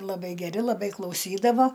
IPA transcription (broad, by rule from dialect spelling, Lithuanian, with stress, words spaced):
lˠɐˈbɐɪ ɡʲɛˈrʲɪ lˠɐˈbɐɪ klˠɐʊˈsʲiːdɐʋoː